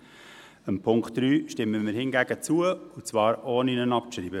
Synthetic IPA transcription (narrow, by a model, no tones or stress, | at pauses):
əmpʰʊŋkχtd̥ɾyːʃtɪmːəmɪɾhɪŋɡæɡ̥ət͡suəʊt͡svɑːɾoːninənɑpʃɾiːbə